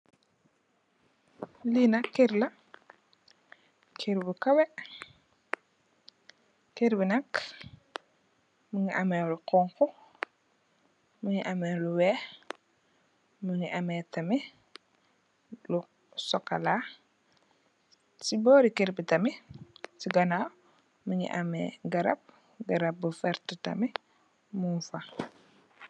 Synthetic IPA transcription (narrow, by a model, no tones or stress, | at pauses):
linɐkːeɾlɐ | kʰeɾbukɐwɛ | keɾbinɐk | muŋiʔamɛluqɔŋkɔ | muŋiʔamɛluwɛː | muŋiʔamɛtɐmi | lu | sɔkːala | sibɔɾikeɾbitɐmisiɡɐna | muŋḭʔamɛ̰ɡɐɾɐ̰p̚ | ɡɐɾɐp̚bufɛɾtətɐ̰mi | munfa